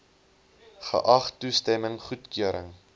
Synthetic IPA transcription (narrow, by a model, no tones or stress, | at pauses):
χə̰ʔɐχtustɛməŋχutkyəɾə̰ŋ